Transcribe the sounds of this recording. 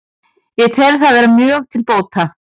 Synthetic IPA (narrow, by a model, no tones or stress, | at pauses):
jɛɣt̪ʰɛlθaðvɛːɾamjœːɣt̪ʰɪlpoːwt̪ʰa